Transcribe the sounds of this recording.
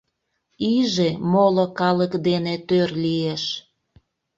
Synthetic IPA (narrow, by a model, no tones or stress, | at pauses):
iʒemolokɑləkd̪enet̪ørlieʃ